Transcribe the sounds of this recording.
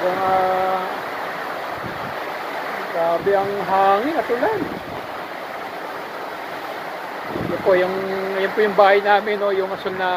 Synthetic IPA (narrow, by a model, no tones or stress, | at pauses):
ɡɐŋa | ɐɡsaːbɪɐŋɦaːŋɪŋɐt̪ʊlan | jʊnpojʊŋjʊnpojʊŋbaːhɐjnaːmɪnojʊŋɐsonnɐ